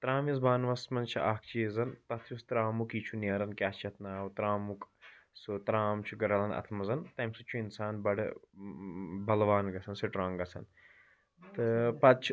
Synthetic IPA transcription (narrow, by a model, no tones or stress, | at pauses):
t̪ɾaːmizbaːnʋɐsmɐnt͡ʃʰiʔaːkʰt͡ʃeːzɐnt̪ɐt̪ʰjust̪ɾaːmukiːt͡ʃʰuneɾɐnkʲaːst͡ʃʰɐt̪ʰnaːʋt̪ɾaːmuksut̪ɾaːmt͡ʃʰuɡɐɾɐlɐnɐ̰t̪ʰmɐzɐnt̪ɐmsɨt͡ʃʰuinsaːnbɐɽ̰ | bɐlʋaːnɡɐt͡sʰɐnsiʈɾãːŋɡɐt͡sʰɐ̰n | t̪ɨpɐd̪̚t͡ʃʰ